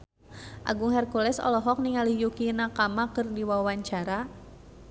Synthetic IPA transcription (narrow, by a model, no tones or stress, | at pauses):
ʔa̰ɡuŋhɛrkulɛsɔ̰lɔɦɔk̚niŋalijukinakamakɨrdiwawaɲt͡ʃaɾa